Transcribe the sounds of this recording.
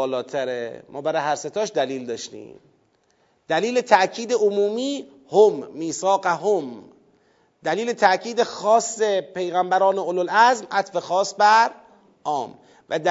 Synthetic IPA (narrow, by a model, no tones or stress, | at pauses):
lɒːt̪ʰæɾemʔɒ̰ːbæɾɒːjhæɾset̪ʰɒːʃd̪æliːld̪ɒːʃt̪ḭːm | d̪̥æliːlet̪ʰæʔcʰiːd̪eomuːmiː | homːiːsɒːqæɦom | d̪æliːlet̪ʰæʔcʰiːd̪exɒːsːe̞pʰe̞jɣæmbæɾɒːneololæzmʔæt̪fe̞xɒːsbæɾ | ʔɒːm | væd̪